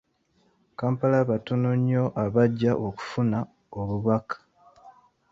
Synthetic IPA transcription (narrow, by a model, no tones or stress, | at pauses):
kaːmpalaβatonoɲːo̞ʔaβaɟːaʔoku̥funa | oβuβakḁ